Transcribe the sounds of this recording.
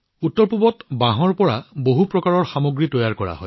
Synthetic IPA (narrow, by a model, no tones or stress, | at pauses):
utːɔɹpubɔtbaɦɔɹpɔɹaboɦupɹɔkaɹɔɹxamoɡɹitɔjaɹkɔɹa̰ɦɔ̰j